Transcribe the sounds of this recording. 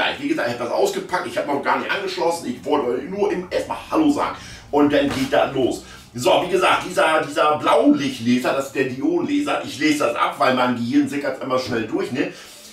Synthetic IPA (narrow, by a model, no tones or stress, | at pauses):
aɪɪçviːɡəzaːktːɪçhatd̥asʔa̰ʊsɡ̥əpʰak̚tɪçhaːbənɔχɡ̥aːɐnɪçtʔa̰nɡəʃlɔsn̩ɪçv̥ɔltənuːɐʔɪmʔeːɐstma̰ːlhaloːza̰ːɡŋ̩ | ʔʊnt̚d̥anɡeːt̚d̥aːloːs | zoviːɡəzaːk̚t̚d̥iːzɐd̥iːzɐblaʊlɪçtleːzɐɾasɪstd̥eːɐdioːnleːzɐʔɪçleːzədasʔa̰pv̥aɪlmaɪnɡəhɪɐn̩zɪkasʔɪmɐzʃnɛldʊɐçnə